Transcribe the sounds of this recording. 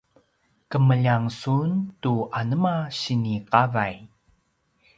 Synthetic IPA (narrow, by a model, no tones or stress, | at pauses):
kəməʎaŋsuntuʔanəmaɕiniqavaj